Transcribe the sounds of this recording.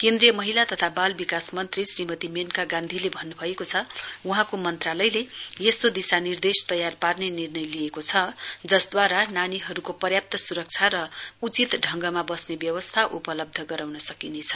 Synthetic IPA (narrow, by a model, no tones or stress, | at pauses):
kend̪ɾijʌmʌɦilat̪ʌt̪ʰabalbikasmʌnt̪risrimʌt̪imenkaɡãnd̪ʱilebʱʌnːubʱʌekot͡sʰʌuɦãkomʌnt̪ralʌjleest̪od̪isanird̪est̪ʌjarparnenirnʌjlijekot͡sʰʌd͡zʌsd̪waɾananiɦʌɾukopʌrjap̚t̪ʌsuɾʌk̚t͡sʰaɾʌut͡sit̪ɖʱʌŋɡʌmabʌsnebjʌwʌst̪ʰaʔupʌlʌb̚d̪ʱʌɡʌɾawnʌsʌkinet͡sʰʌ̥